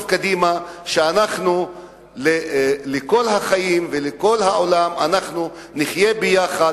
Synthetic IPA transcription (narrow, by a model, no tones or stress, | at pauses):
vkad̪imaʃeanaχnu | leleko̞lɦaχajimveleko̞lɦaolamanaχnu | niχje̞bejaχa